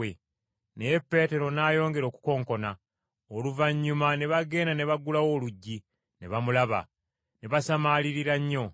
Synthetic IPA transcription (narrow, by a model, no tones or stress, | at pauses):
e | ne̞jepːe̞ːte̞ɾo̞naːjo̞ːŋɡe̞ɾo̞ːku̥ko̞ːŋko̞na | oluvaɲːumane̞βaɡe̞ːnane̞βaɡulawo̞ːluɟːi | ne̞βamulaβa̰ | ne̞βasamaːliɾiɾaɲːo̞